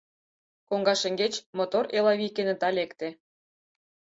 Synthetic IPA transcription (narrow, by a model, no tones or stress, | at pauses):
koŋɡɑʃə̆ŋɡet͡ɕmot̪oɾelɑβʲikenə̆t̪ɑlekt̪ĕ